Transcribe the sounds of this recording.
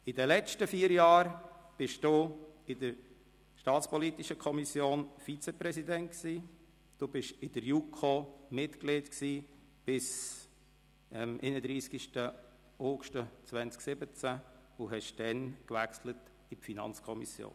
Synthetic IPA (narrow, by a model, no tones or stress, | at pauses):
idəlɛt͡ʃtəfiːəɾjɑːɾb̥ɪʃd̥uɪdəɾ | ʃtɑːt͡spɔlit̪iʃəkʰɔmisjoːnfit͡sepɾɛsidɛntksiː | d̥ubɪʃɪdəɾjukʰomɪtkleːtksiː | b̥ɪs | əmʔḛːnəd̪ɾiːskiʃtə | oːɡʃtət͡svænt͡sksɪbət͡sæʊɦɛʃd̥ɛnkʋækslət | ipfinɑ̰nt͡skʰɔmḭsjo̰ːn